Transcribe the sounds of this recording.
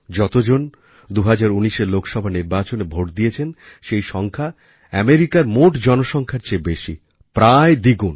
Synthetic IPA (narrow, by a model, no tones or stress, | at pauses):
d͡ʑɔt̪od͡ʑon | d̪uɦad͡ʑaɾuniʃeɾlokʰʃɔbʱaniɾbat͡ɕonebʱoʈd̪iet͡ɕʰen | ʃejʃɔŋkʰa | ɛmeɾikaɾmoʈd͡ʑɔnoʃɔŋkʰaɾt͡ɕebeʃḭ | pɾaed̪iɡun